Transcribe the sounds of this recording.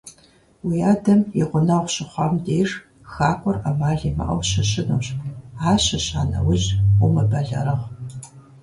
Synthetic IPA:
wijaːdɐmjɪʁʷʊnɐʁʷɕɪχʷɑmdeːr | xaːkʷʼɔrɐmaːɮimɐ̰ʔɐ̰wɕɐɕɪnuːɕaːɕɐɕaːnɐ̰wʊʑʊmɐbɐɮɐ̰ɾɐʁ

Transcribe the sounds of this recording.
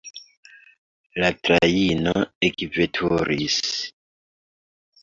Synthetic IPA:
latɾainoekivetʰuɾis

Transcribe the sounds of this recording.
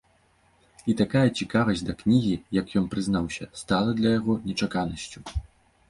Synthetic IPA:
it̪akajɐt͡sʲikavɐzʲd̪ɐknʲiɣʲijɐkjɔnpɾɨznawsʲɐst̪alˠɐd̪lʲɐjaɣɔnʲɛt͡ʂakanɐsʲt͡sʲu

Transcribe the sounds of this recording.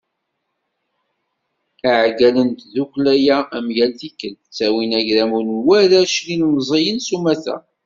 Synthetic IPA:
aʕɡælənt̪ðukʷlæjææmjælθikːənət͡sːæwinæʝðæmunwæðæʃlinmzˤejənsumæθæ̰

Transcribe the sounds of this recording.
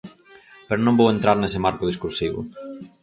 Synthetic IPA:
peɾʊnõmbowẽnt̪ɾaɾnesɪmaɾkʊðiskuɾsiβʊ̰

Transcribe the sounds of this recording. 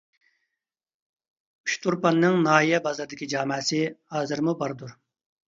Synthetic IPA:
yʃt̪ʰuɾpɑnːɨŋnɑːɦijɛbɑzɑɾd̪ɪkʲid͡ʒɑːmɛːsɨhɑːzɨɾmubɑɾd̪uɾ

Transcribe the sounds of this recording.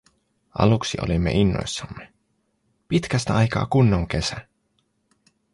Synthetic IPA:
ʔɑ̰luksiʔo̞̰limːeʔinːo̞̰jsːɑmːe | pit̪kæst̪æɑjkɑ̰ːkunːoŋke̞sæ

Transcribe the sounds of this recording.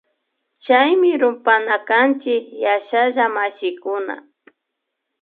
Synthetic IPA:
t͡ʃajmɪɾʊmpanakant͡ʃɪkjaʃaʒamaʃɪkʊna̰

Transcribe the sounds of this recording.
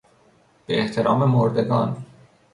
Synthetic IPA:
b̥eeht̪ʰe̞ɾɒːmemoɾd̪e̞ɡɒːn

